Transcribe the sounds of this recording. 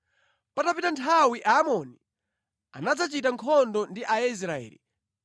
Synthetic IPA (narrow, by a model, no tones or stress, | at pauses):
patapitantʰawiʔaːmɔni | a̰nad͡zat͡ʃitaŋkʰɔndɔndiʔais̬ɾaɛ̰ːlḭ